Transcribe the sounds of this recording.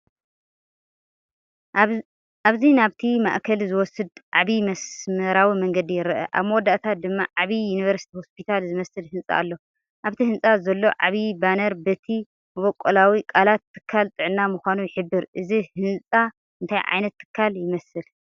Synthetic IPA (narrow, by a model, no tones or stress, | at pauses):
ʔaβzinaβt̪ʰima̰ʔkʰɐlzɨwɔsɨd̪ʕaβimɐsmɨɾawimɐŋɡɐd̪ijɪɾɐʔɐ̰ʔa̰βmɐwɔd̪ːaʔt̪ʰat̪̚d̪ɨmːaʕaβijunivɐɾsi̥t̪ʰiho̞spʰit̪ʰalzɨmɐsɨlhɨnsʼa̰ʔːlːo̞ | ʔaβt̪ʰihɨnsʼazɐlːo̞ʕaβibanɐɾbɐt̪ʰi | mɐβɔkʼːolawikʼalat̪ʰːɨ̥kʰːalt̪ʼɨʕɨnːamuxʷanujɪħɨbːɨɾʔɨzihɨnsʼa | ɨnt̪ʰajʕa̰jnɐt̪ʰːɨ̥kʰːaljɪmɐsɨl